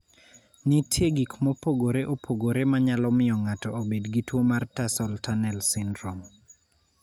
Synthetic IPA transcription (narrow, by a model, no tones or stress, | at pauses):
nitʰjeɡikmɔpoɡoɾeʔopʰoɡoɾemaɲalɔmɪɔŋatɔobedɡitwomartasɔltanɛlsɪndɾɔm